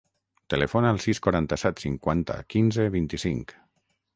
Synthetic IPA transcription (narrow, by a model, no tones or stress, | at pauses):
t̪elefonaaːlˠsiskwaɾant̪asɛt̪siŋkwant̪a̰kinzeβint̪isiŋk